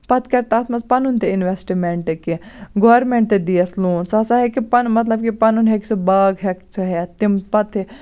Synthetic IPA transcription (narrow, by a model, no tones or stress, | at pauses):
pɐt̪ʰkɐɾt̪aːt̪mɐspɐnunt̪eɪnʋesʈimeɳʈekiɡoːɾmẽɳʈ̚t̪ed̪iɐsluːnsɐsaɦekipɐnmɐt̪lɐb̚kipɐnunɦɛkt͡sʰɨbɐːɡɦɛkt͡sʰɨɦɛt̪impɐt̪ʰi